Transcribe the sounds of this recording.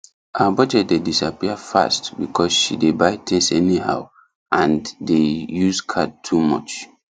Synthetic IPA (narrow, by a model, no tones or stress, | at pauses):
ʔaabɔd͡ʒɛt̚dedisapiəfa̰stbikʰɔsʃidebaɪtʰɛ̃sɛniha̰ʊ | ʔãndejuskʰad̚tʰumɔ̰t͡ʃ